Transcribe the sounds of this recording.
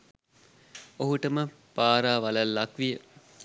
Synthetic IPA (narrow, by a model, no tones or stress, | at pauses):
oɦuʈəmə | paːɾaːʋalalːakʋijə